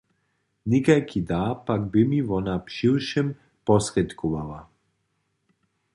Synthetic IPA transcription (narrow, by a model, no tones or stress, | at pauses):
nikajkʰid̪apaɡ̚bimiʋɔnapʃiwʃɛm | pɔsɾɛt̪kuʋala